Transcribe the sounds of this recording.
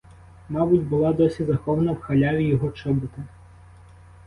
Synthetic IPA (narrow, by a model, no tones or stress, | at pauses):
mɑbʊtʲbʊlˠɑd̪ɔsʲizɐxɔʋɐnɐwxɐlʲaʋʲijɔɦɔt͡ʃɔbʊt̪ɪ